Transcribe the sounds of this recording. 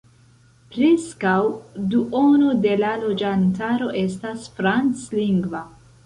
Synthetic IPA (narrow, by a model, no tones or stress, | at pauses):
pɾe̞skawduʔo̞node̞lalo̞d͡ʒantaɾo̞ʔe̞stasfɾant͡sliŋɡva